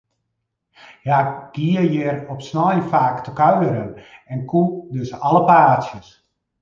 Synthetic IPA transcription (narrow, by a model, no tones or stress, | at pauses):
jaɡ̥iəjɪrɔpsnɔjfaːktəkœɥəɾənɛnkʰudøsaləpaːsjəs